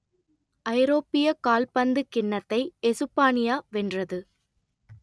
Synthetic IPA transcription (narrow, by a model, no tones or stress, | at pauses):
ʔɐɪɾoːpːɪjɐkaːlpɐnd̪ɯkɪɳːɐt̪ːɐɪɛsɯpːaːnɪjaːʋɛndrɐðɯ